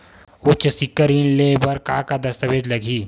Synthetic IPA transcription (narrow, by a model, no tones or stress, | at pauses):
ot͡ʃsɪkːəɾinlebɐɾkaːkad̪ɐst̪əʋeːd͡ʒlɐɡʱiː